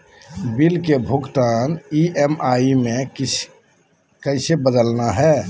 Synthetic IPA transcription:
bilkebʱuɡt̪aːniʔemaimẽ | kəɪsebəd̪əlnaɦɛː

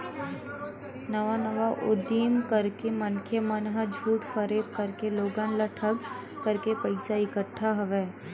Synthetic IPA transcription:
nɐʋanəʋaʔʊ̰d̪iːmkɐɾkemənkʰemɐnɦəd͡ʒʱuːʈfəɾeːp̚kɐɾkeloːɡanləʈʰəkː | əɾkepɐɪsaɪkəʈʰːaɦɐʋeː

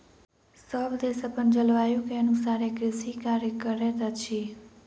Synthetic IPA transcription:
səbd̪esəpənd͡ʒəlʋajũkeənũsaɾekɾɪsikaɾjəkəɾɛt̪at͡ʃʰi

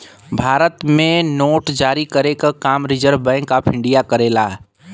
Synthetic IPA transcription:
bʱaːɾət̪mẽnoːʈd͡ʒaːɾikəɾekakaːmɾɪd͡ʒəɾbɛ̃ːŋkːapʰɪ̃ɳɖijakəɾeːlaː

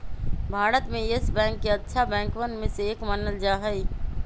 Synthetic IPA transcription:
bʱaːɾət̪mẽɪsbɛ̃ːŋkːeɐtːʃʰabɛ̃ːŋkwənmẽseːkmənəld͡ʒaːɦəi

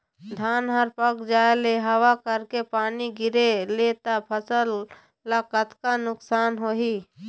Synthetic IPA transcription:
d̪ʱaːnɦəɾpəkd͡ʒaːeleɦəwakəɾkepaːniɡɪɾeleːt̪apʰəsəlː | akət̪kanʊksaːnɦoːɦiː

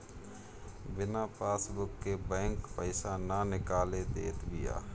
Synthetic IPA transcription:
bɪnapaːsbʊkːebɛ̃ːŋkpəɪsananɪkaːled̪ḛːt̪bɪja̰ː

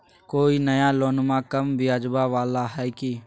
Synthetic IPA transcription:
koːinɐjaloːnmãkɐmbɪjaːd͡ʒbaʋaːlaɦɛːki

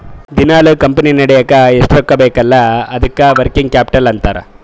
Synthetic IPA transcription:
d̪inaːlɐkɐmpɐninɐɽɛjɐkːɐeʂʈɐɾɐkːɐbeːkɐlːɐɐd̪ɐkːɐʋɐɾkiŋɡ̚kjaːpi̥ʈɐlɐnt̪aːɾɐ̰

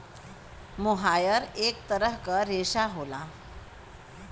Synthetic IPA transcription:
moɦajəɾek̚t̪əɾəɦkəɾeɕaɦola

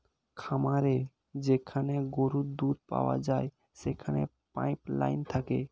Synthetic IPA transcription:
kʰamaɾe | d͡ʑekʰaneɡoɾud̪ud̪̚pa̰wa̰d͡ʑae | ʃekʰane | pa̰jpla̰jnt̪ʰake

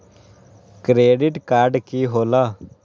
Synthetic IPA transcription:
kɾeːɖɪʈkaːɾɖkiːɦoːlaː

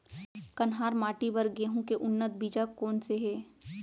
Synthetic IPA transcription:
kɐnɦaːɾmaːʈibəɾɡeːɦũkeʔʊnːət̪̚biːd͡ʒakoːnseɦɛː

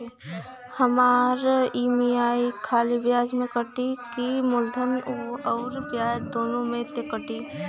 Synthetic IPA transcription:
hɐmaːɾiːmijaːikʰaːlibjaːd͡ʒmẽkəʈikimʊlzəmɔːɾbjaːd͡ʒd̪oːnõmẽt̪ekəʈi

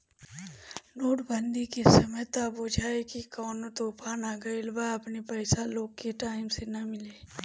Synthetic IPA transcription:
noːʈbənd̪ikesɐməjt̪abod͡ʒʱaːekikɔːnot̪oːpaːnaːɡəɪlbaɐpnepɛːsaloːɡkeʈaːɪmsenɐmɪleː

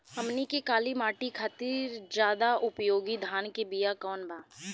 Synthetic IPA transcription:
hɐmnikekaːlimaːʈikʰaːt̪iːɾd͡ʒjaːd̪aʔʊpjoːɡid̪ʱaːnkebijakɔːnbʱaː

